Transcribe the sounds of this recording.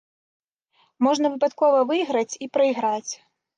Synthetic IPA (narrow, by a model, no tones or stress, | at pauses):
mɔʐnɐvɨpat̪kɔvɐvɨjɣɾɐt͡sʲipɾɐiɣɾat͡sʲ